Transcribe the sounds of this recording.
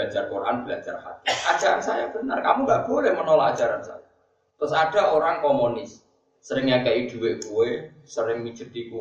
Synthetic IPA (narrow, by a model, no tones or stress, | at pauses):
ad͡ʒarkorʔa̰nb̥ilad͡ʒa̰rha̰t̪iʔḁd͡ʒ̥aɾansajab̥ə̤nərkamuŋɡaʔb̥olɛhmənolɔḁd͡ʒ̥aɾansa̰ja | t̪ɾʊsad̥a̤oɾaŋkomonɪsː | əɾɪŋjakɛʔid̪̥ṳwɪʔkuwe | səɾɪŋmi̥d͡ʒ̥əd̪̥iku